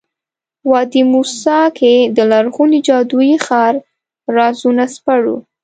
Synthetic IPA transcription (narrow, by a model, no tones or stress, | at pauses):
wɑd̪imusɑkʰed̪əlaɾɣunid͡ʒɑd̪ujixɑɾː | ɑzunaspaɽṵ